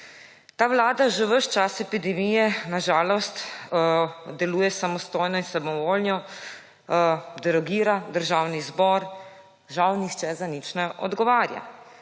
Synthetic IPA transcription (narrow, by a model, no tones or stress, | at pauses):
t̪aːʋlaːd̪aʒɛʋəʃt͡ʃasɛpid̪ɛmijɛnaʒaːlɔst̪ | d̪ɛluːjɛsamɔst̪oːjnɔinsabmɔʋoːlnjɔ | d̪ɛɾɔɡiːɾad̪əɾʒawnizbɔɾ | ʒawnixt͡ʃɛzanit͡ʃnɛʔɔ̰d̪ɡɔʋaːɾja̰